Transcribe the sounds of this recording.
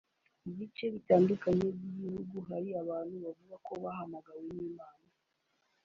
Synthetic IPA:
iβit͡ʃe̞βitaːndukaɲebjiɟihuɡuɦaɾiaβaːnhuβavuɡakʰo̞βahamaɡaweniːmaːna

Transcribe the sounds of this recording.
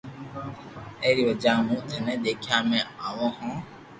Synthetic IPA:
eɾiod͡ʒamũt̪ʰɛnɛ̃d̪ekʰjamɛ̃awɔ̃ɦɔ̃

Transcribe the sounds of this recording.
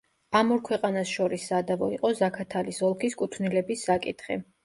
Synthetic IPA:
amɔɾkʰwɛqʼanasʃɔɾisːad̪avɔiqʼɔzakʰat̪ʰalisɔlˠkʰiskʼut̪ʰnilɛbisːakʼit̪ʰχɛ̰

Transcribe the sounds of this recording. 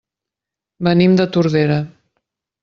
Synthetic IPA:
bənimd̪ət̪uɾðeɾə

